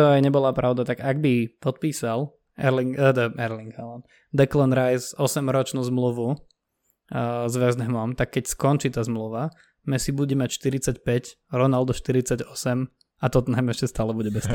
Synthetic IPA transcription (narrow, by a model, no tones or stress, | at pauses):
t̪ɔajɲɛbɔlapɾaʊd̪at̪aɡaɡ̚bipɔt̪̚piːsal | ɛɾliŋd̪ɛɾliŋɡaɔn | d̪ɛklɔnɾajsɔsɛmɾɔt͡ʃnuːzmluʋu | zʋɛznɛmɔmt̪akːɛcskɔnt͡ʃiːt̪azmluʋa | mɛsibuɟɛmacʃt̪iɾit͡sacpɛc | ɾɔnald̪ɔʃt̪iɾit͡saɟɔsɛm | at̪ɔt̪ɔnamɛɛʃcɛst̪aːlɛbuɟɛbɛsɛ